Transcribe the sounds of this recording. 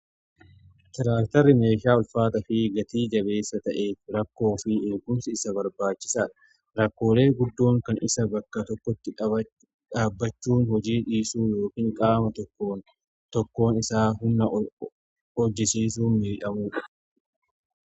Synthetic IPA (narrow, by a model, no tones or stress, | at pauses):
t̪ɪɾaːkt̪ɐrːɪme̞ːʃaːɔlfaːt̪ɐfɪɡɐt̪iːd͡ʒɐbe̞ːsːɐt̪ɐʔe̞ːfɾɐkːo̞ːfɪeːkʊmsɪɪsɐbɐɾbaːt͡ʃːɪ̥saːᶑɐ̥ | ɾɐkːo̞ːle̞ːɡʊd̪ːo̞ːŋkɐnɪsɐbɐkːɐt̪ɔkːɔt̪ːɪᶑɐ | ᶑaːbːɐt͡ʃːuːnhɔd͡ʒiːᶑiːsuːjo̞ːkiːŋkʼaːmɐt̪ɔkːoːn | t̪ɔkːo̞ːnɪsaːɦʊnːɐ | hɔd͡ʒːɪsiːs̬uːnmɪɾʔɐmuːᶑɐ